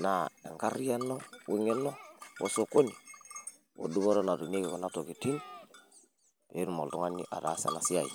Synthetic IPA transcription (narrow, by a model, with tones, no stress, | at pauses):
na˨ḛ˨ŋka˦ɾi˦ja˦nːo˦wi˦ŋe˦nːo˦wo̰˦so˦ko˦ni˨ | wo̰˨du˦bo˦ɾo˦na˨tu˨ne˦ki˨ko˨na˦to˨ki˨ti˦n | be˦ɾu˨mo̰˨ltu˦ŋa˦nːḭ˦ʔa̰˨ɾa̰˦sḛ˨na˨si˦a˨ji˨